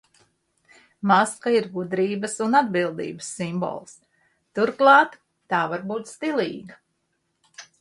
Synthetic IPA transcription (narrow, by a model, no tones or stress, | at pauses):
maskaiɾɡud̪ɾiːbəsunad̪̚bilˠd̪ḭːbəsːimbo̰ːlˠs | t̪uɾklˠɑːt̪ː | ɑːvaɾbuːt̪st̪ilˠḭːɡa